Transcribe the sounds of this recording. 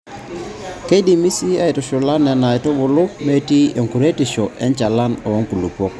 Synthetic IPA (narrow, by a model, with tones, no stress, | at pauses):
ke˦di˨mi˦si˦a˦i˨tɔ˨ʃʊ˨la˦nɛ˨na˨ɪ˨tɔ˦bʊ˨lʊ˦kme˦ti˦e˨ŋku˨ɾe˦tɪ˨ʃɔ˨ʔɛ˦ɲt͡ʃa˨la˦nɔ˨˦ŋku˨lu˨pɔ˦k̚